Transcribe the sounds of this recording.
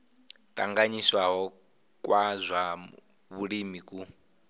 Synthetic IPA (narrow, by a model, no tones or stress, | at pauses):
tʼa̰ŋɡaɲiswaɦɔ | kʼwazʷa | βuɺimikʼu